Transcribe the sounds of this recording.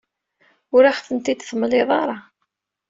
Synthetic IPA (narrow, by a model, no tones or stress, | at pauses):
ʊɾaχθənt̪id̪θəmlɪðˤɑɾˤɑ